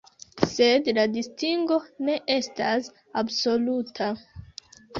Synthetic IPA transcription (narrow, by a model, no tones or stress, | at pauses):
se̞dladistiŋɡo̞ne̞ʔe̞stas | abso̞lutʰa